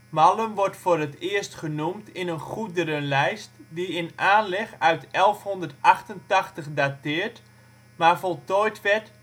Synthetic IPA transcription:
maləmʋɔrtfoːrətɪəstχənumtɪnənχudəɾənlɛjstdiɪnaːnlɛxœɥtɛlˠfhɔndərtaxtəntaxtəχdatɪːrt | marfɔlˠtɔjtʋɛrt

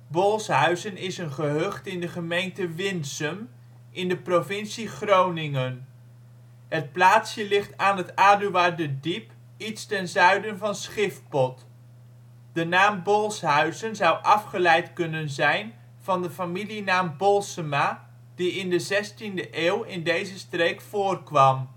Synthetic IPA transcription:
bɔlˠsɦœɥzənɪsənχəɦɵχtɪndəχəmejntəʋɪnsəm | ʔɪndəprovɪnsiχrownɪŋən | ɦət̚plaːtsjəlɪχtaːnɦətaːdyʋaːdədip | itstɛnzœɥdənvɑnsχɪft̚pɔt | d̥ənaːmbɔlˠsɦœɥzənzʌwʔɑfχəlɛjtkɵnənzɛjn | v̥ɑndəfamilinaːmbɔlˠsəma | d̥iɪndəzɛstindəʔeːwɪndejzəstrejkfʊːrkʋɑm

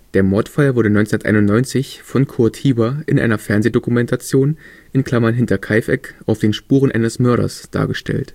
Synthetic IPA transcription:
d̥eːɐmɔɐtfalvʊɐɾənɔʏnt͡snnɐtʔa̰ɪnʊntnɔʏnt͡sɪçfɔnkʰʊɐthiːbɐʔɪnʔa̰ɪnɐfɛɐnzeːdokumɛntʰat͡sjoːn | ʔɪnkʰl̥amɐnɦɪntɐkʰaɪfɛkʔaʊfd̥eːnʃpuːʁənʔa̰ɪnəsmœɐɾɐ̰sd̥a̰ːɐɡəʃtʰɛ̰lt

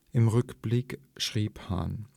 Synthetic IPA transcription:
ʔɪmʁʏkb̥lɪk | ʃʁ̥iːpha̰n

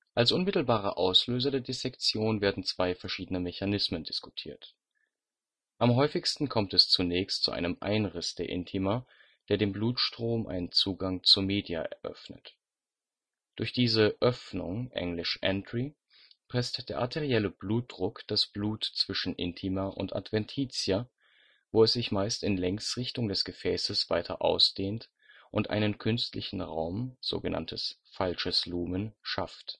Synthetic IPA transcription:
ʔalsʔʊnmɪtl̩baːʁ̞ɐ̰ʔaʊsløːzɐdeːɐdesɛkt͡sjoːnveːɐdn̩t͡sv̥aɪfɛɐʃiːdənəmɛçanɪsməndɪsku̥tʰḭːɐt | ʔamɦɔʏfɪçstn̩kʰɔmtɛst͡sunɛːçstt͡sṵʔa̰ɪnəmʔa̰ɪnʁɪsd̥eːɐʔɪ̰ntʰiːmɐ | d̥eːɐdeːmbluːtʃtʁ̥oːmʔa̰ɪnənt͡suːɡaŋt͡suːɐmeːdja̰ʔɛ̰ɐʔœ̰fnə̰t | d̥ʊɐçd̥iːzəʔœfnʊ̰ŋʔɛ̰ŋlɪʃʔɛ̰ndʁi | pʁ̥ɛstd̥eːɐʔatʰeʁiɛləb̥luːt̚d̥ʁʊkd̥asb̥luːtt͡sv̥ɪʃn̩ʔɪ̰ntʰiːmɐʔʊ̰ntʔa̰tv̥ɛntʰiːt͡sjɐ | voːɛsz̥ɪçmaɪstɪnlɛŋsʁɪçtʊŋdɛsɡ̥əfɛːsəsv̥aɪtʰɐ̰ʔa̰ʊsd̥eːnt | ʔʊntʔa̰ɪnənkʰʏnstlɪçn̩ʁa̰ʊmz̥o̰ːɡəna̰ntʰəsfalʃəsluːmənʃaft

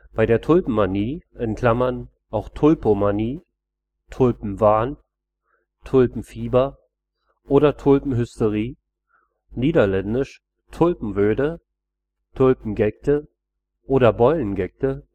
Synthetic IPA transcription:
b̥aɪɾeːɐtʰʊlpm̩maniːʔɛnkl̥amɐn | ʔaʊxtʰʊlpomaniː | tʰʊlpm̩vaːn | tʰʊlpm̩fiːbɐ | ʔoːɾɐtʰʊlpm̩ɦʏstəʁiː | niːdɐlɛndɪʃ | tʰʊlpm̩vøːdə | tʰʊlpm̩ɡɛk̚tə | ʔoːɾɐbɔʏlənɡɛk̚tə

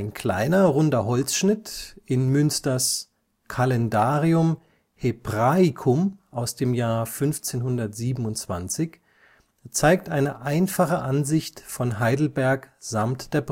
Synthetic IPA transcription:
ɪnkʰl̥a̰ɪnɐʁʊndɐɦɔlt͡sʃnɪtʔɪnmʏnstɐs | kʰalɛndaːʁiʊm | hebʁaɪkʰʊmʔaʊsd̥eːmjaːɐfʏnft͡seːnhʊndɐtz̥iːbm̩ʊntt͡sv̥a̰nt͡sɪç | t͡saɪk̚tʔaɪnəʔaɪnfaχəʔanzɪçtfɔnɦaɪdl̩bɛɐkz̥amtd̥eːɐb

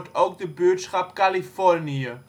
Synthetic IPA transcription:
tʰowk̚dəbøːtsχɑpkalifɔrniə

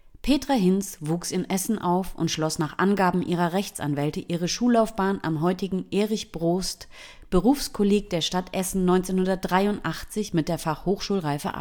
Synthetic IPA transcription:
pʰeːtʁ̥aɦɪnsvuːksɪmʔɛsn̩ʔaʊfʊ̰ntʃlɔsnaːχʔa̰nɡaːbm̩ʔiːʁ̞ɐʁɛçt͡sa̰nvɛltəʔiːʁ̞əʃuːlaʊfb̥aːnʔa̰mɦɔʏtɪɡŋ̩ʔeːʁɪçb̥ʁoːst | b̥əʁuːfskʰɔleːɡəd̥eːɐʃtatʔɛsn̩nɔʏnt͡seːnhʊndɐt̚dʁaɪʊntʔaχt͡sɪçmɪt̚d̥eːɐfaχhoːxʃuːlʁaɪfə̰ʔa̰p

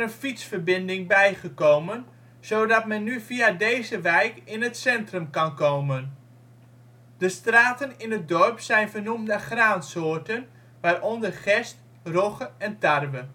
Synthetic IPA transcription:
ənfitsfərbɪndɪŋbɛjχəkowmən | soːdɑtmɛnːyviadejzəʋɛjkɪnətsɛntrəmkɑnkowmən | d̥əstraːtənɪnət̚dɔrpsɛjnvərnumdəχraːnsoːrtən | ʋaːrʔɔndərχɛst | roχəɛntarʋə

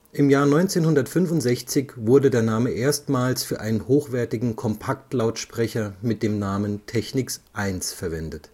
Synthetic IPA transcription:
ʔɪmjaːɐnɔʏnt͡seːnhʊndɐtfʏnfʊntz̥ɛçt͡sɪçvʊɐdədeːɐnaːməʔeːɐstmaːlsfyːɐʔaɪnənhoːxv̥ɛɐtɪɡŋ̩kʰɔmpʰaktlaʊtʃpʁ̥ɛçɐmɪt̚d̥eːmnaːməntʰɛçnɪksʔaɪnsfɛɐvɛndət

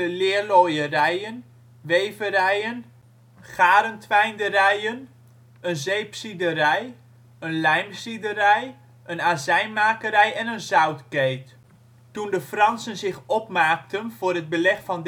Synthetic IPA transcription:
əlɪːɹlojərɛjən | ʋejvəɾɛjən | χaːɾəntʋɛjndəɾɛjən | ənzejpsidəɾɛj | ənlɛjmsidəɾɛj | ənaːzɛjnmaːkəɾɛjɛnənzœwtkejt | tundəfrɑnsənzɪχɔpmaːk̚tənv̥ʊːrɦəd̚bəlɛχfɑnd

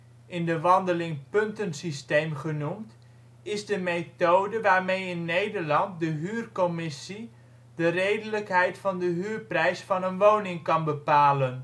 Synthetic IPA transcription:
ɪndəʋɑndəlɪŋpɵntənsistejmχənumt | ɪzdəmejtowdəʋaːɹmejɪnːejdəɹlɑnt̚dəɦyːrkɔmɪsi | dərejdələkɦɛjtfɑndəɦyːrprɛjsfɑnənʋownɪŋkɑnbəpaːlən

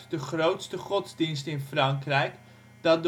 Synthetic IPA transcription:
dəχrowtstəχɔzdinstəɪnfrɑŋkrɛjk | d̥ɑt̚d

